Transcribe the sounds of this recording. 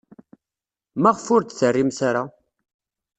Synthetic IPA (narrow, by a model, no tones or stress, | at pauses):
mæʁfʊɾt̪θərːimsaɾa